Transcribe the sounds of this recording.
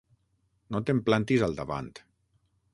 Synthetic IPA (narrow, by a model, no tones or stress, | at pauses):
not̪emplant̪izalˠd̪aβa̰nt̪